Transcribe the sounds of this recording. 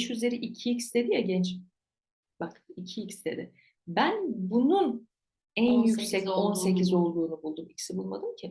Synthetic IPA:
ʃyze̞ɾiʔicʰiicsd̪e̞d̪ijaɟɛnt͡ʃ | b̥akicʰiicsd̪e̞̰d̪ɪ | bænbunun | ænjycsɛco̞nse̞cʰizo̞lˠd̪uːnubulˠd̪umicʲʰi̥sibulˠmad̪ɯmcʰɪ

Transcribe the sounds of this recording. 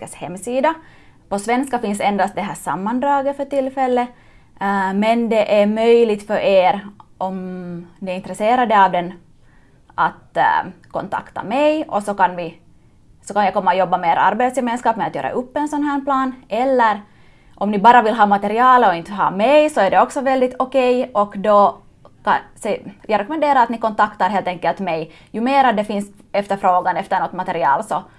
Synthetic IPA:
əshɛmːsiːd̪apɔsʋɛnskafɪnsɛnd̪ast̪̚d̪ɛɦæːʂamːand̪ɾɑːɡəfœʈɪlːfɛlːə | mɛnd̪ɛʔæɾmœjlɪɡt̪fœɾʔeːɾʔɔmnɪɪnt̪ɾəseːɾad̪əɑvd̪ɛn | at̪kʰɔ̰nt̪ʰa̰kt̪a̰mɛjɔsɔkanvɪ | sɔkanjajkɔmːaɔjɔbːameːɾa̰ɾbeːt̪sjɛmeːnskɑːpmɛat̪jø̰ːɾa̰ʔɵpːɛnsɔnɦæːɳplɑːnɛlːəɾ | ʔɔmnɪbɑːɾavɪlɦɑːmat̪ɛɾɪɑːlɔɪnt̪əɦɑ̰ːmɛjsɔæɖɛɔksɔvɛld̪ɪt̪ʰɔkɛjɔkd̪ɔ | kasjɑɡɾɛkɔmɛnd̪eːɾaɾat̪nɪkɔnt̪akt̪aɾɦeːlt̪ɛŋkːɛlt̪mɛj | jʉmeːɾad̪ɛfɪnsɛft̪əɾfɾoːɡanɛft̪əɳɔt̪ːmat̪ɛɾɪɑ̰ːlsɔ

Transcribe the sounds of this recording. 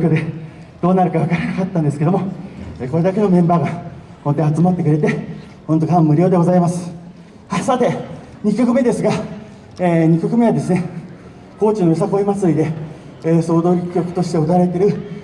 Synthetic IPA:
kʲod̪e̞ | d̪̥o̞ːnaɾɯ̟kaβakaɾenakat̪ːãnd̪esked̪o̞moeːkoɾe̞d̪ake̞no̞mẽ̞mbaːɡa | kont̪eat͡sɨmat̪ːe̞kɯɾe̞t̪e̞ | hont̪okamːɯ̟ɾʲo̞ːd̪e̞ɡozaimasɨ̥ | hasat̪e̞ | ɲ̟ikʲo̞kɯ̟me̞d̪e̞sɨɡa | eːɲ̟ikʲokɯ̟me̞βad̪e̞sɨne̞ | ko̞ːt͡ɕinoisakoimat͡sɨɾʲid̪e̞ː | so̞ːd̪o̞ːɾʲi̥kʲːo̞kɯ̟̥t̪o̞ɕi̥t̪e̞ot̪aaɾe̞t̪e̞ɾɯ̟

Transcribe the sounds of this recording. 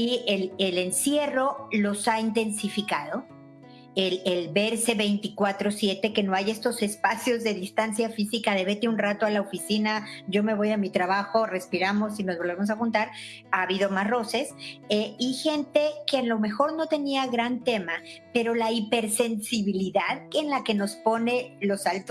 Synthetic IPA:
ielele̞nsje̞ro̞lo̞saint̪ensifikað̞o̞ | elelbe̞ɾse̞βe̞jnt̪ikwat̪ɾo̞sje̞t̪e̞ke̞no̞aje̞st̪o̞se̞spasjo̞zðe̞ðist̪ansjafisikað̞e̞βe̞t̪eunrat̪oalaofisinaɟ͡ʝo̞me̞β̞o̞jamit̪ɾaβaxo̞re̞spiɾamo̞sinozβolβe̞mos̬axunt̪aɾ | aːβiðomasro̞se̞seixe̞nt̪e̞ke̞anlo̞me̞xo̞ɾno̞t̪e̞niaɣɾant̪e̞mape̞ɾo̞laipe̞ɾse̞nsiβiliðaðenlake̞no̞spo̞ne̞lo̞salt̪

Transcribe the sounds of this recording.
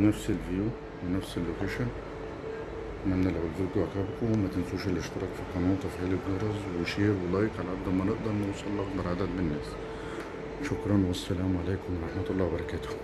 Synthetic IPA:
næfsɪlviju | wenæfsɪlːokeːʃæ | mænːælʕolbilkʊʕakæːbkumæt̪ɪnsuːʃelːɪʃt̪ɑɾˤɑːkfiqɑnɑːt̪ˤɑfʕæːliɡɑɾˤɑzˤwɪʃiːɾwelɑːjɪkʕalæʕad̪æmænɪʔd̪ɑɾˤnuwsˤɑlːɑqbɑɾˤʕad̪æːt̪̚bɪnːæːs | ʃokɾˤɑnwæsːælæːmʕaleːkʊmwɑɾˤɑħmɑt̪ɑlˤːɑːwbɑɾˤɑkæːt̪ʊ̥

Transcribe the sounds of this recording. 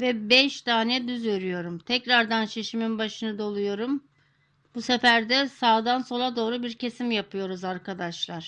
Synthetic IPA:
vɛbɛʃd̪aːnɛd̪yzøɾyjo̞ɾumt̪ʰɛcɾaɾd̪ant͡ʃʰe̞ʃiminbaʃɯnɯd̪o̞lˠujo̞ɾum | b̥usefæɾd̪ɛsaːd̪anso̞lˠad̪o̞ːɾubiɾcʰe̞simjapʰɯjo̞ɾuzaɾkʰad̪aʃlˠaɾ̥

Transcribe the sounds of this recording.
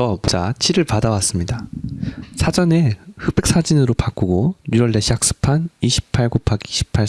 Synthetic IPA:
ʌmod͡ʑa̰t͡ɕʰiɾɯɭpadawas͈ɯmɲida | sʰad͡ʑʌne̞ɸɯp͈e̞k̚s͈ʰad͡ʑinɯɾopak͈uɡojuɾʌɭdeɕʰiak̚s͈ɯ̥pʰaniɕʰi̥pʰaɭɡopʰaɡiɕʰi̥pʰa

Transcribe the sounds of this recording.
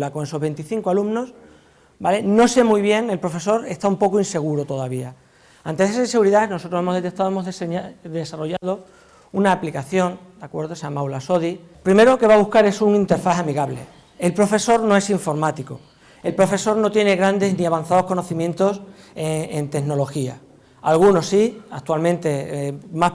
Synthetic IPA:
lako̞ŋe̞so̞ɦβe̞nt̪iθiŋkoalumno̞s | bale̞no̞se̞muiβ̞je̞ŋe̞lpɾo̞fe̞so̞ɾe̞st̪aumpo̞koinse̞ɣ̞uɾot̪o̞ðaβia | ant̪eesinse̞ɣuɾiðaeno̞so̞t̪ɾohemo̞ɦðe̞t̪et̪aðoemo̞ɦðd̪e̞saro̞ʝaðo̞ | unaːplikaθjo̞nd̪akwe̞ɾðosejamawlaso̞ði | pɾime̞ɾooke̞βaβuhkaɾe̞suŋint̪e̞ɾfaθamiɣaβle̞̰ | elpɾo̞fe̞so̞ɾno̞e̞siɱfo̞ɾmat̪iko | e̞lpɾo̞fe̞so̞ɾno̞t̪jene̞ɣɾand̪e̞zniaβanθaðo̞hko̞no̞θimjẽ̞nt̪o̞seent̪e̞ɣno̞lo̞xia̰ | alɣuno̞sːiak̚t̪ualmẽnt̪e̞ma

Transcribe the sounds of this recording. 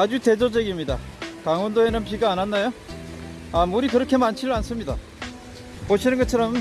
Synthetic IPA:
ad͡ʑute̞d͡ʑod͡ʑʌɡimɲida̰kaŋwʌndoenɯnpiɡaːnanːajo | amuɾikɯɾʌkʰe̞mant͡ɕʰiɾans͈ɯmɲida̰ | poɕʰinɯnɡʌt͡ɕʰʌɾʌm

